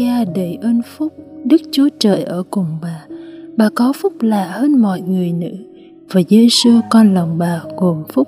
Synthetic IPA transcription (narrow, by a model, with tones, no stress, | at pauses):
aː˧ɗə˧˩jʔəː˧nfʊ˦˥k͡p̚ɗɨ˦˥k̚t͡ɕu˨˦t͡ɕəː˨˩jʔəː˧˩kʊ˨˩ŋ͡mɓaː˨˩ɓaː˨˩kɔ˨˦fʊ˦˥k͡p̚laː˧˨həː˧nmɔ̰˧˨jŋɨ˨˩əjnɨ̰˧˥ | vaː˨˩zəː˧jsɨ˧əkɔ˧nlə˨˩wŋ͡mɓaː˨˩ɣo˨˩mfʊ˦˥k͡p̚